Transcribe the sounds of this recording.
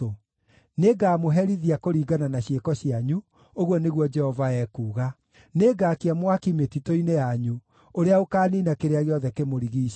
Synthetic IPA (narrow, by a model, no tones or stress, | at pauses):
o | neɡaːmoɦɛɾiðiakoɾiːɡananaɕjekɔɕiaɲu | oɣwɔneɣwɔd͡ʒɛhɔvaɛkuːɣa | neɡaːkeamwakimetitoinejaɲu | oɾeaokaːninakeɾeaɣeɔðɛkemoɾiɣiː